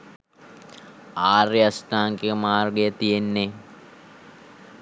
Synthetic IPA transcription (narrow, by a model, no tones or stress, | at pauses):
aːreɐsʈ̪aːŋkiəmaːrɡejət̪ijenːe